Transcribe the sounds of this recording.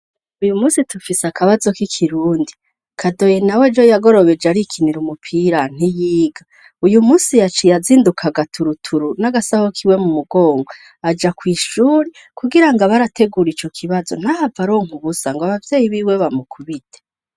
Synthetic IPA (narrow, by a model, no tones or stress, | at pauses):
ujumuːsitufisakaβazo̞kikʰiɾuːndi | kʰado̞je̞nawed͡ʒojaɡo̞ɾo̞βe̞d͡ʒaɾikʰiniɾumupʰiɾan̥ijiːɡa | ujumuːsijat͡ʃijaziːndukʰaɡatʰuɾutʰuɾunaɡasahokʰiwe̞mumuɡo̞ːŋɡo | ad͡ʒakwiːʃuːɾi | kuɡiɾaŋɡaβaɾatʰe̞ɡuɾit͡ʃo̞kʰiβazo̞n̥hahavaɾo̞ːŋ̥uβusaŋɡaβavje̞ːjiβiːwe̞βamukʰuβide̥